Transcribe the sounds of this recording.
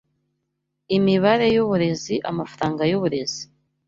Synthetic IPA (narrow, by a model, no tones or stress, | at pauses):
imiβaɾe̞juβuɾe̞ziʔamafɾaːŋɡajuβuɾe̞z̥i